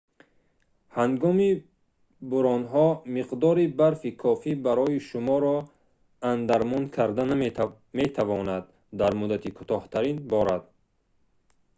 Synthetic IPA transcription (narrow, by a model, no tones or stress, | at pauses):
hanɡɔmi | buɾɔnɦɔmiqd̪ɔɾibaɾfikʰɔfibaɾɔiʃumɔɾɔ | and̪aɾmɔnkʰaɾd̪an | met̪ʰavɔnad̪ː | aɾmud̪at̪ʰikʰu̥t̪ɔht̪ʰaɾinbɔɾad̪̥